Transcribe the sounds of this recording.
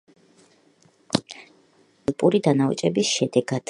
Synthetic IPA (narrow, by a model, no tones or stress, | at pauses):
lˠpʼuɾid̪anaṵt͡ʃʼɛbisʃɛd̪ɛɡad̪̥